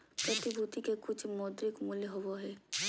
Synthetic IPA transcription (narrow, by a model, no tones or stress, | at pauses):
pɾɐt̪ɪbʱuːt̪ikekʊt͡ʃʰmɔːd̪ɾɪkmʊljɦoʋoɦɛː